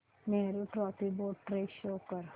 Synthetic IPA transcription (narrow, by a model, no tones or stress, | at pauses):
meːɾuʈɾɔːpiboːʈʈɾeːʃoːkəɾ